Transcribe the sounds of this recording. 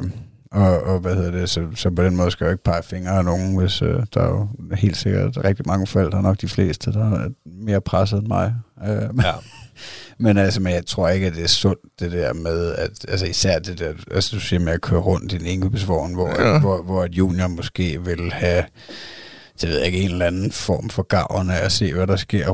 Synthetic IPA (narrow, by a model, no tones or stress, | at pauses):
ɒ̽ɒʋæheð̰ˠɐd̥e̝sɒ̽sɒ̽pɒd̥enmɔ̽ːðˠskæj̥ue̝ɡ̥̚pʰɑ̈ɪfeŋɐːnoːn̩ʋe̝sød̥ɑ̈jo̝he̝̰ːld̥se̝ɡ̥ɐ̰d̥ʁɛɡ̥̚d̥imɑ̈ŋəfɛl̰d̥ɑ̈ɐnɒ̽ɡ̥d̥ifle̝̰ːsd̥əd̥ɑ̈me̝ːɐpʰʁas̬ð̩ˠenmɑ̈ɪø | menælsəmenjɑ̈ɪt͡sʰʁo̝ɐ̰e̝ɡ̥əæd̥e̝æɐsɔ̽n̰d̥d̥e̝d̥æɐ̰með̞ˠæd̥ælsəisæɐ̰d̥e̝d̥æɐʔælsəd̥usiɐ̰meækʰøːɐʁɔ̽n̰d̥in̩eŋkʰyb̥əs̬ʋɒ̰ːn̩ʋɒʋɒʋɒæd̥jṵːnjomɔ̽sɡ̥e̝̰ːʋe̝lhæ | d̥e̝ʋe̝ð̰ˠjae̝ɡ̥əenlænn̩fɒ̰ːmfɒ̽ɡ̥ɑ̈ʊ̰ɐnəæse̝̰ːʋæɾɑ̈sɡ̥e̝ɐ̰